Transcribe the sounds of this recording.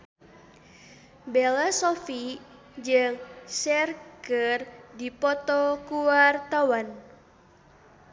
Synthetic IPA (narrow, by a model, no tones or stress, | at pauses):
belasofi | d͡ʒɨŋsɛrɡərdipɔt̪ɔkuwart̪awan